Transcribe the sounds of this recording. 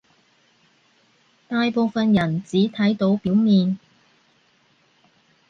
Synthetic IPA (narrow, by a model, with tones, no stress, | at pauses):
t̪aː˧jpo˨˧wfɐ˨njɐ˨˩nt͡siː˨˥t̪ʰɐ˨˥jt̪o˨˧˥wpiː˨˥wmiː˨n